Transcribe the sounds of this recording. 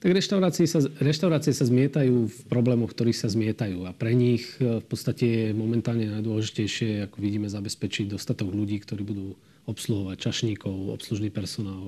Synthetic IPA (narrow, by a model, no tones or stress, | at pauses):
t̪aɡɾɛʃt̪aʊɾaːt͡siisaɾɛʃt̪aʊɾaːt͡siɛsazmɪɛt̪ajuːfpɾɔblɛːmɔxk̚t̪ɔɾiːxsazmɪɛt̪ajuːapɾɛɲixfpɔt̪st̪acɛjɛmɔmɛnt̪aːlɲɛnajd̪ʊɔlɛʒicɛjʃɪɛakɔʋiɟiːmɛzabɛspɛt͡ʃiɟd̪ɔst̪at̪ɔɡluɟiːkt̪ɔɾiːbud̪uː | ɔpsluɦɔʋact͡ʃaʃɲiːkɔʊɔ̰psluʒniːpɛɾsɔnaːl